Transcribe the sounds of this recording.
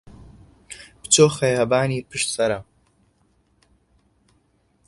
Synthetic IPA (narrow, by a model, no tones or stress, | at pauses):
b̥t͡soːxɐjhɐbaːniːpʰɨʃt̪sɐɾɐ